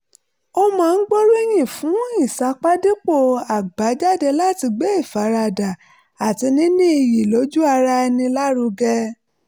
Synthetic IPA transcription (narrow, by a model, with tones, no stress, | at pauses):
o˧mãː˦˧˦n̩˦ɡ͡bo˦ɾe˦j̃ĩ˦˨fũ˨˦ĩ˦˨sa˨˦k͡pa˦di˦k͡po˦˨a˨ɡ͡ba˨˦d͡ʒa˦de˧la˦ti˧ɡ͡be˦i˦˨fa˨˦ɾa˧da˨ | a˨ti˨˧nĩ˨˦nĩ˦i˧ji˨lo˨˦d͡ʒu˦a˧ɾa˧ɛ˧nĩ˧la˦ɾu˧ɡɛ˧